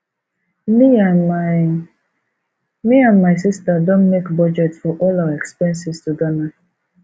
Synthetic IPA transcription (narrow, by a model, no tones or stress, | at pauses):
mi | miãnmaɪs̬istadõnmekbɔd͡ʒɛtsfɔʔɔlawɛkspɛ̃nsistudana